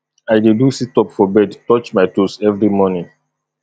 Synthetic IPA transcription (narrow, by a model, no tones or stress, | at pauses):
aɪdedusitɔpfɔbɛdtɔt͡ʃmaɪtusɛvɾimɔnĩ